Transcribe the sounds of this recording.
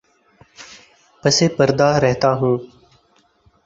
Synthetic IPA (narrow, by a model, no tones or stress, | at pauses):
pəseːpəɾd̪aːɾɛɦt̪aːɦũː